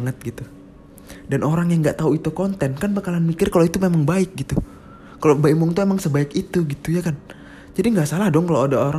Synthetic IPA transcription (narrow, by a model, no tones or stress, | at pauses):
ŋət̪̚ɡit̪u | danʔoɾaŋjaŋɡaʔt̪auit̪ukɔnt̪ɛnkanpakalanmikɪrkaloit̪umemaŋbaɪk̚ɡit̪u | kalobaik̚mɔŋt̪uemaŋsəbaɪkit̪uɡit̪ujakan | d͡ʒadiŋɡaʔsalahdɔŋkaloadaoɾa